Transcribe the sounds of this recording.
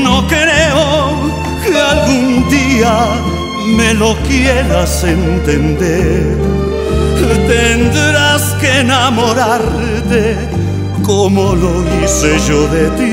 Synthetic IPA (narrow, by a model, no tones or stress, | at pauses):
nokeɾeo | kealɣund̪ia | melokjeɾasent̪end̪eɾɾ | ket̪end̪ɾaskeenamoɾaɾ | t̪e | komoloðiseʒoðet̪i